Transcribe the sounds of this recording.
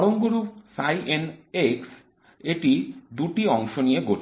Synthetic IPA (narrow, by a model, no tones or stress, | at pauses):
ɽoŋɡoɾupsajʔeneks | eʈid̪uʈiɔŋʃonijeɡoʈ